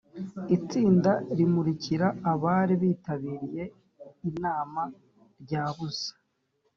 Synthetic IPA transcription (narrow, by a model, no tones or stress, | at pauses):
it͡siːndaɾimuɾiciɾaːβaɾiβiːtaβiːɾije̞ | inaːma | ɾɟaːβusḁ